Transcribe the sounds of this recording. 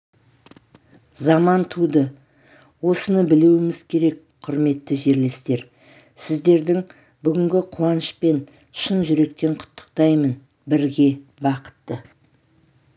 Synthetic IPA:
zɑmɑnt̪ʰud̪ə | wo̞sənəbɪluwɪmɪz̥kʲʰe̞ɾe̞k | qʰʊɾme̞t̪ːɪʒe̞ɾle̞st̪e̞ɾ | sɪzd̪e̞ɾd̪ɪŋ | bʏɡʲɪŋɡʲɪqʰuɑnəʃpe̞n | ʃənʒʏɾe̞k̚t̪e̞ɴqʰʊ̥t̪ːə̥qt̪ɑjmən | bɪɾɡʲe̞bɑqə̥t̪ːə

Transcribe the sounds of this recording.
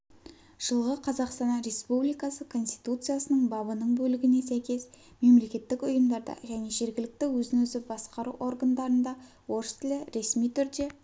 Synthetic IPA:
ʒ̥əlˠʁəqʰɑzɑqst̪ɑnɑɾe̞spublijkɑsəkʰo̞nst̪ijt̪ut̪sɨjasənəɴbɑbənəɴbɵlɪɡʲɪne̞sæjkʲe̞s | me̞mle̞kʲe̞t̪ːɪkʲʊjəmd̪ɑɾd̪ɑ̰ʒæne̞ʒe̞ɾɡʲɪlɪk̚t̪ɪwɵzɪŋɵzɪbɑsqɑɾuʔo̞rɡənd̪ɑɾənd̪ɑ | wo̞ɾəst̪ʰɪlɪɾe̞smijt̪ʰʏɾd̪e̞

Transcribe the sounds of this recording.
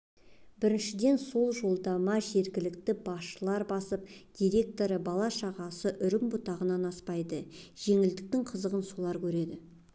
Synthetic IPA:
bɪɾɪnʃɪd̪e̞nso̞lˠʒo̞lˠd̪ɑmɑʒe̞ɾɡʲɪlɪk̚t̪ɪbɑsʃəlˠɑɾbɑsəpd̪̥ʲijɾʲe̞k̚t̪o̞ɾəbɑlˠɑʃɑʁɑsəʔʏɾɪmbʊt̪ɑʁənɑnɑspɑjd̪əʒ̥e̞ŋɪld̪ɪk̚t̪ɪŋqʰəzəʁənsulˠɑɾkʲʰɵɾe̞d̪ɪ

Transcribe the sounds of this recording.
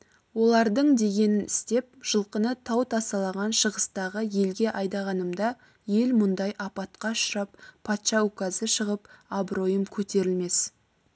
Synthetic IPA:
wo̞lˠɑɾd̪əɴd̪e̞ɡʲe̞nɪnɪst̪e̞p̚ʒ̥əlˠqənət̪ʰɑwt̪ʰɑsɑlˠɑʁɑnʃəʁəst̪ɑʁəje̞lɡʲe̞ʔɑjd̪ɑʁɑnəmd̪ɑ | je̞lmʊnd̪ɑjʔɑpɑt̪qɑʃʊɾɑp̚pʰːɑt̪ʃɑukazəʃəʁəpabɾo̞jəmkʲʰɵt̪e̞ɾɪlme̞s

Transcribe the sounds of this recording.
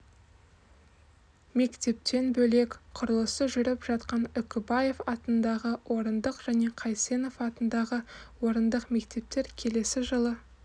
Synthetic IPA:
me̞kt̪e̞p̚t̪e̞nbɵle̞kʲqʰʊɾəlˠəsəʒʏɾɪpʒ̥ɑt̪qɑnʏkʲɪbaje̞fɑt̪ənd̪ɑʁəwʔo̞ɾənd̪əqʒ̥æne̞qʰɑjse̞no̞fɑt̪ənd̪ɑʁəwo̞ɾənd̪əqme̞kt̪e̞p̚t̪e̞ɾkʲʰe̞le̞sɪʒəlˠə

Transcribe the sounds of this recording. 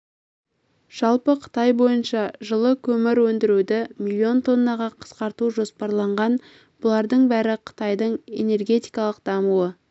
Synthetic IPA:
ʒ̥ɑlˠpəqʰə̥t̪ɑjbo̞jənʃɑʒəlˠəkʲʰɵmɪɾwɵnd̪ɪɾud̪ɪmilʲːio̞nt̪ʰo̞nːɑʁɑqʰə̥sqɑɾt̪uʒo̞spɑɾlˠɑɴʁɑn | b̥ʊlˠɑɾd̪əɴbæɾɪqʰə̥t̪ɑjd̪əɴe̞̰ne̞rɡʲe̞t̪ijkɑlˠəq̚d̪̥ɑmuə

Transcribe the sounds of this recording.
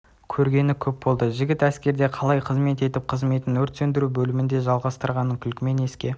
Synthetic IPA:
kʲʰɵɾɡʲe̞nɪkʲʰɵp̚bo̞lˠd̪əʒɪɡʲɪt̪æskʲe̞ɾd̪e̞qʰɑlˠɑjqʰəzme̞t̪e̞t̪ɪp̚qʰəzme̞t̪ɪnɵɾt̪send̪ɪɾubɵlɪmɪnd̪e̞ʒɑlˠʁɑst̪əɾʁɑnəŋkʲʰʏlkʲɪme̞ne̞skʲe̞

